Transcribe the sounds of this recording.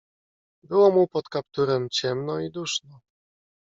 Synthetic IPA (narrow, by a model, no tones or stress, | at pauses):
bɘwɔmupɔt̪kapt̪uɾɛmt͡ɕɛmnɔid̪uʂnɔ